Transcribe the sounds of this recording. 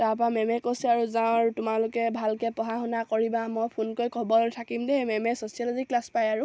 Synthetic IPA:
tapamɛmɛkosɛaɹuzãʊ̃aɹtʊmalʊkɛbʱalkɛpɔɦaɦunakoɹibamɔjpʰunkojkʰɔbɔlojtʰakimdɛmɛmɛsosialziklaspajaɹu

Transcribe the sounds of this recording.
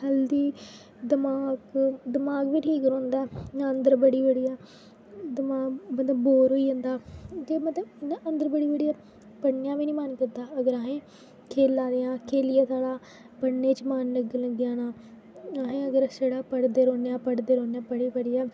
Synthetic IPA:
həld̪iː | d̪ɪmaːɡd̪əmaːɡʋiːʈʰiːkɾõːnd̪aːnaənd̪əɾbəɽiːbəɽiːaː | d̪əmaːɡmət̪ləbːoːɾɦoːiːõnd̪aːd͡ʒeːmət̪ləbnaːʔənd̪əɾbəɽiːbəɽijaː | pəɽnjaːʋiːnĩːmankɪd̪aːəɡəɾaɦẽː | kʰeːlːãːd̪ejãːkʰeːlɪjaːt̪ʰaːɽaː | pəɽnẽːt͡ʃmaːnləɡləɡjãːnaː | aɦẽːəɡəɾseːɽaːpəɽd̪eːɾoːnjaːpəɽd̪eːɾoːnejaːpəɽiːpəɽiːaː

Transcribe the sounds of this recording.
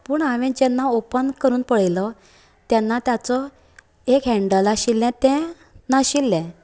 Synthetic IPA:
pəːɳaʋẽd͡ʑɛ̃nːaopənkəɾuːnpəɭjlɔ | t̪jɛnːat̪jat͡sɔ | ekɦɛ̃ɳɖəlaɕilːɛ̃t̪ɛ̃ | naɕilːɛ̃

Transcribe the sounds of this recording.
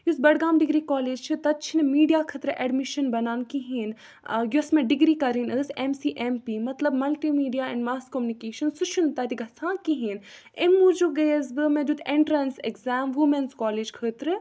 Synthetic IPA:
jusbɐɽɡaːmɖiɡɾiːkɔːleːd͡ʒt͡ʃʰɨt̪ɐt̪̚t͡ʃʰinmiːɖijaːkʰət̪ɾɨʔɛɖmiʃɐnbɐnaːnkiɦin | jusmẽɖiɡɾiːkɐɾinəːsemsiːʔempiːmɐt̪lɐbmɐlʈimiːɖijaɛ̃ɳɖmaːskomjunikeːʃɐnsut͡ʃʰunt̪ɐt̪iɡʱɐt͡sʰãːkiɦin | emːud͡ʒuɡɐjəsbɨmẽd͡ʒ̪ut̪ʰẽɳʈɾɐnsekzaːmʋumenskɔːleːd͡ʒkʰəːt̪ɾɨ

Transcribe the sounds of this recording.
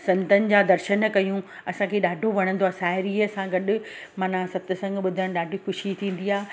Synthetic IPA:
sɐ̃nt̪ənɪ̆d͡ʑaːd̪ɐɾʃənkɐjũɐsãkʰeɗaːɖʱoʋɐɽ̃ə̃n̆d̪oaːsaːɪɾiəsãɡɐɗʊ̆maːnãsɐb̚t̪ɪsɐ̃ŋɡɓʊd̪ʱəɽ̃ɗaːɖʱixʊʃit̪ʰĩːn̆d̪iaː

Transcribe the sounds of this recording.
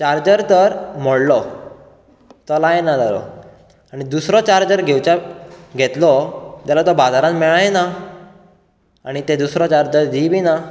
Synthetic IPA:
t͡ɕaɾd͡ʑəɾt̪əɾm̤ɔɽlɔ | t̪ɔlajenad͡z̪alɔ̰ | aɽ̃id̪usɾɔt͡ɕaɾd͡ʑəɾɡʱewt͡ɕaɡʱet̪lɔt̪jalat̪ɔbad͡zaɾãnmɛɭajena | aɽ̃it̪ed̪usɾɔt͡ɕaɾd͡ʑəɾd̪ibʱina

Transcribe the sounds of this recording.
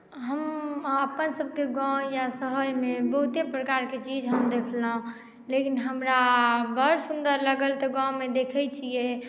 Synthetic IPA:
ɦəməpənsəb̚keɡãjasəɦəjmebəɦut̪epɾəkaɾket͡ʃid͡ʒʱɦəmd̪ekʰləɦũ | lekinɦəmɾabəɾsund̪əɾləɡəlt̪ɔɡãwmed̪ekʰɛt͡ʃʰije

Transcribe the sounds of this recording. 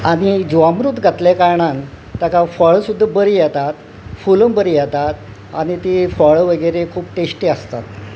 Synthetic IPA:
aɽ̃id͡ʑʋamɾut̪ɡʱat̪lekaɾɳan | t̪jakafɔɭsud̪ʱːabəɾiːjɛt̪at̪ | fuləmbəɾijɛt̪at̪̚ | añit̪ifɔɭʋəɡəɾekʰuːpʈesʈiəst̪at̪

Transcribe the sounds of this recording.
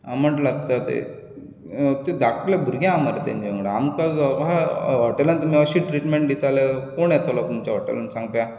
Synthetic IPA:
aməʈlaɡt̪at̪ḛ | t̪ed̪akʰlabʱuɾɡjãamaɾet̪ã̰ɲd͡ʑeŋɡɽaamkaɡaɦɔʈelənt̪um̤iəɕiːʈɾiʈmẽɳʈ̚dit̪alekoɳjɛt̪ʰolɔt̪umt͡ɕaɦɔʈḛlə̰nsãŋɡpja

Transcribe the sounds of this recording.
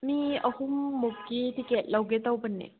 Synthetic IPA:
miəhumːokːitikɛt̚lawket̪awpənːɛ̰

